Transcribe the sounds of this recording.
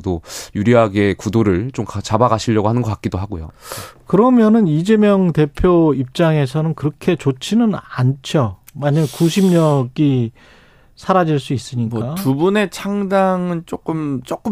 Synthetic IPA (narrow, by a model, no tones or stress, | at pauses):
dojuɾiɦaɡe̞kudoɾɯɭt͡ɕomkat͡ɕabaɡaɕʰiʎːʌɡoɦanɯnɡʌk͈ak͈idoɦaɡojo̰kɯɾʌmjʌnɯnid͡ʑe̞mjʌŋte̞pʰjoip̚t͡ɕ͈aŋe̞sʰʌnɯnkɯɾʌkʰe̞t͡ɕot͡ɕʰinɯnant͡ɕʰjʌ | maɲamjʌnkuɕʰimɲʌɡ͈i | sʰaɾad͡ʑiɭs͈uis͈ɯɲik͈atubune̞t͡ɕʰaŋdaŋɯnt͡ɕ͈ok͈ɯmt͡ɕ͈ok͈ɯm